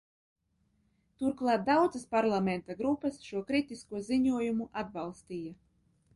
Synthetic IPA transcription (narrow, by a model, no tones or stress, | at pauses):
t̪uɾklˠɑːt̪̚d̪awd̪zaspaɾlˠamɛnt̪aɡɾupːɐsʃuɔkɾit̪iskuɔziɲuɔjumuʔad̪̚balˠst̪iːja